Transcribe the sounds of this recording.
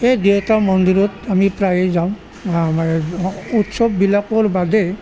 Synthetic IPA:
ejdewtamɔndiɾɔtamipɹajɛzaʊ̃ | mautsɔbːilakɔɹbadɛ

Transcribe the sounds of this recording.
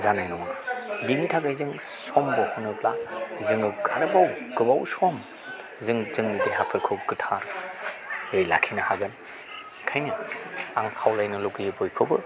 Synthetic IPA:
zanajnɔŋabiŋitʰaɡajzɯŋ | sɔmbɔhɔnɯblazɯŋɯɡaɾɯbawɡɯbawsɔm | zɯŋzɯŋnɯdihapʰɯlkʰɯwɡɯtʰa | ɾɯjlakʰinɐhaɡɯn | kʰajnɐaŋkʰawlajnɐloɡibɔjkʰɯbɯ

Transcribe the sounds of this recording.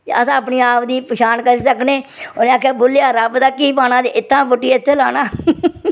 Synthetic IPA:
əsãːəpniːaːpd̪iːpʃaːnkəɾiːsəkneːʊnẽːaːkʰːjaːboːljaːɾəbd̪aːkiːpaːnãːd̪eːʔɪt̪ːãːpʊʈːiːɪt̪ʰːeːlaːnaː

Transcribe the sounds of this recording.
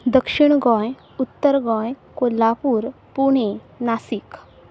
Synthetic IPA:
d̪əkʂiɳɡɔ̃j | ut̪ːəɾɡɔ̃jkolːapuːɾpuɳe | nasik

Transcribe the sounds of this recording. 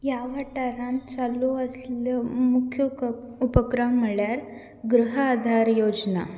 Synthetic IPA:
jaʋaʈaɾãnt͡saluəsləmukʰju | upəkɾamməɭjaɾ | ɡɾuɦəːd̪ʱaɾjod͡zna

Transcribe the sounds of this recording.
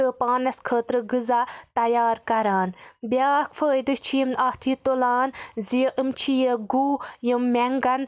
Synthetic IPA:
ɨpaːnɐskʰəːt̪ɾɨɡɨzat̪ɐjaːɾkɐɾaːnbʲjaːkfʰəːjd̪ɨt͡ʃʰijimaːht̪ʰiːt̪olaːnziəʔɨmt͡ʃʰijeɡuːjəmːeŋɡɐn

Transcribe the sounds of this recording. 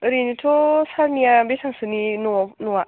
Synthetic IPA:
ɾinit̪ʰosaɾnijabesaŋsɯninunuwa

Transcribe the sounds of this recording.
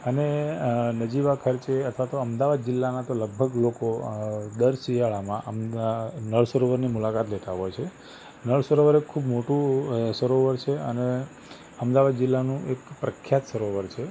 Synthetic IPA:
ənenəd͡ʒiʋakʰəɾt͡ʃeət̪ʰʋat̪oəmd̪aʋad̪̚d͡ʒɪlːanat̪oləɡ̚bʱəɡlokod̪əɾsijaɭamãʔəmnəɭsəɾoʋəɾnimulakat̪let̪aɦɔjt͡ʃʰe | nəɭsəɾoʋəɾekʰːubmoʈũsəɾoʋəɾt͡ʃʰeəne | əmd̪aʋad̪d͡ʒɪlːanũʔekpɾəkʰːjat̪səɾoʋəɾt͡ʃʰe

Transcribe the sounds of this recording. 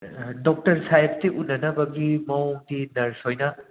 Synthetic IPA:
dok̚tɐɾsajpʰtiʔunːɐnɐbɐɡimɐomdinɐɾsojnɐ

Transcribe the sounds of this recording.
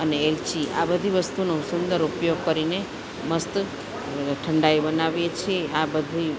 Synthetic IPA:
əneːlt͡ʃiʔa̰bəd̪ʱiʋəst̪unosund̪əɾupjoɡ̚kəɾine | məst̪ | ʈʰəɳɖaibənaʋjet͡ʃʰieabəd̪ʱi

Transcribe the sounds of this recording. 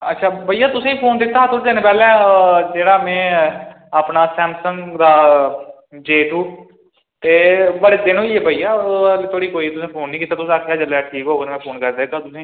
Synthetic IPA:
ətːʃʰaːbəijaːt̪ʊsẽːiːpʰoːnd̪ɪt̪ːaːt̪ʰʊɾd͡ʒ̪eːneːpɛːlɛ̃ːd͡ʒeːɽaːmɛ̃ː | apnaːsɛːmsə̃ŋɡd̪aː | d͡ʒeːʈuː | t̪eːbəɽd̪ɪnõːiebʱəijaːlt̪ʰoːɽiːkoːiːt̪ʊsẽːpʰoːnːĩːkiːt̪ːaːt̪ʊsẽːkʰeaːd͡ʒəlːɛːʈʰiːkɦoːɡeːnːmɛ̃ːpʰoːnkəɾd̪eːɡaːt̪ʊsẽː

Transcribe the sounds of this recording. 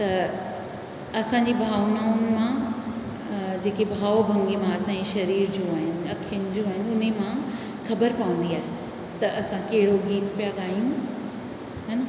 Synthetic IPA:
t̪ɐ | ɐsãɲd͡ʑibʱaːʋnaːʊnmã | d͡ʑeːkebʱaːʋbʱɐ̃ŋɡemãɐsãd͡ʑiʃɐɾiːɾd͡ʑoaːɦɪnɪ̆ɐkʰijʊnɪ̆d͡ʑoːaːɦɪnɪ̆ʊn̤emã | xɐbəɾpaʋə̃n̆d̪iaːɦe | t̪ɐʔɐsãkɐɦɪɽoɡiːt̪pijaɠaːjũ | ɦɐnɐ

